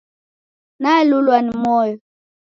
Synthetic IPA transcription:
nalulwanimɔjɔ

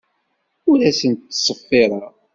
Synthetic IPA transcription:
ʊɾæsənt̪ːsˤəfːɪɾˤɑ

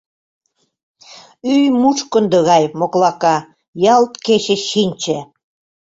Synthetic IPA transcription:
yjmut͡ʃkə̆nd̪ə̆ɣɑjmoklɑkɑ | jɑlt̪ket͡ɕĕʃinʲt͡ɕĕ

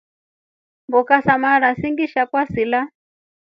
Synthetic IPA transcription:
mbukasamaɾasiŋɡiʃakwasila

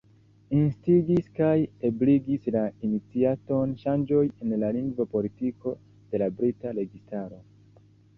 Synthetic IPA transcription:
instiɡiskajebliɡislainit͡siato̞nʃand͡ʒo̞je̞nlaliŋɡvopo̞litiko̞ | d̥e̞labɾitaɾe̞ɡistaɾo̞

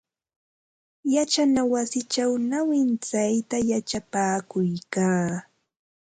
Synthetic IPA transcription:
jat͡ʃanawasɪt͡ʃawnawɪnt͡sajt̪ajat͡ʃapaːkʊjkaː

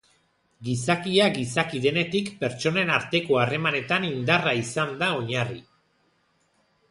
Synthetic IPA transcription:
ɡisakiaɡisakiðe̞ne̞t̪ikpe̞ɾt͡ʃo̞ne̞naɾt̪e̞ko̞are̞mane̞t̪anind̪araisand̪ao̞ɲari

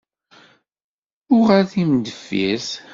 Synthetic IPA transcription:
ʊʁaθimd̪əfːḭs

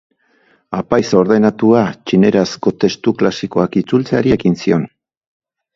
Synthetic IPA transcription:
apajso̞ɾðe̞nat̪uat͡ʃine̞ɾasko̞t̪e̞st̪uklasiko̞akit͡sult͡seaɾie̞kinsio̞n

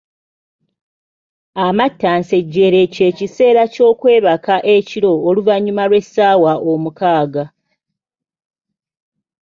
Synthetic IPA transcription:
amatːaːnseɟːe̞ɾe̞ce̞ːcise̞ːɾaco̞ːkwe̞ːβakaʔeciɾo̞ːluvaɲːumalwe̞saːwaʔomukaːɡa

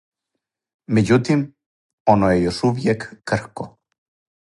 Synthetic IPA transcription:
med͡ʑut̪im | onojejoʃuʋjekːr̩xko

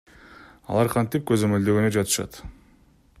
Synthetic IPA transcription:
ɑ̰lˠɑɾqʰɑnt̪ip̚kø̞zø̞mø̞ld̪ø̞ɡønød͡ʒɑt̪ɯ̥ʃɑ̰t̪

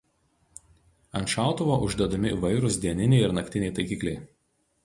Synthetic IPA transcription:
ɐnʲʃɑˑʊt̪ʊʋoːʔʊʒʲd̪ʲɐd̪ɐmʲɪḭˑʋɐɪɾʊsd̪ʲiɛnʲɪnʲɛɪɪɾnɐkʲt̪ʲɪnʲɛɪt̪ɐɪkʲiːklʲɛɪ

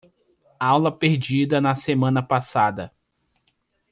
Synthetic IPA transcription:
awlɐpeɾd͡ʒid̪ɐnɐsemɐ̃nɐpasad̪ɐ

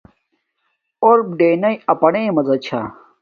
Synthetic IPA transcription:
oɾb̚ɖeːnɐjɐpɐɽemɐzɐt͡ɕʰa

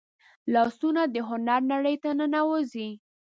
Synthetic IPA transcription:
lɑsunad̪əɦʊnaɾnaɽəjt̪anənawozi

